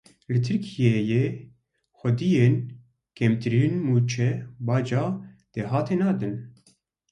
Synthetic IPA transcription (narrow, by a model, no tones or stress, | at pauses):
lɨt̪ʰɨɾkʰijejeː | xʷɛd̪ijeːn | kʰɛmt̪ɨɾinmuːt͡ʃʰɛbɑːd͡ʒɑː | d̪̥eɦɑːt̪ʰeːnɑːd̪ɨn